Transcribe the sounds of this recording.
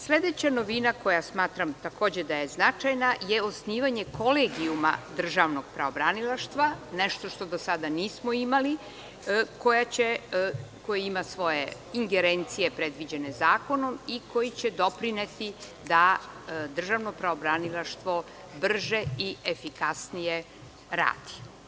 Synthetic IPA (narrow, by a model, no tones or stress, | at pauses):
sle̞d̪et͡ɕano̞ʋinako̞jasmaːt̪ɾamt̪ako̞ːd͡ʑe̞d̪ajeznat͡ʃajnajeosniːʋaɲekʰo̞leɡiuma̰d̪r̩ʒaʋno̞ɡ̥̚pɾaobɾanilaʃt̪ʋaneʃt̪o̞ʃt̪o̞d̪osad̪aniːsmoimali | kojat͡ɕeko̞jiimasʋo̞je̞ | iŋɡeɾent̪sijepɾed̪ʋid͡ʑe̞ne̞zaːko̞no̞miko̞jit͡ɕed̪o̞pɾinet̪i | d̪ad̪r̩ʒaʋnopɾaobɾanilˠaʃt̪ʋo̞ | br̩ʒeiʔefikasnije | ɾa̰ːd̪̥i̥